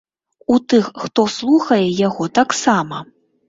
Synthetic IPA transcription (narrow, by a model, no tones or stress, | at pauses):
ut̪ɨxːt̪ɔslˠuxɐjɛjaɣɔt̪aksamɐ